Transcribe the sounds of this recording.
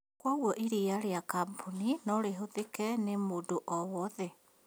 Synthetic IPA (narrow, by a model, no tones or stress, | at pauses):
kwaɣwɔʔiɾijaɾeakampʰuninɔɾeɦoðekɛnemodoʔɔwɔðɛ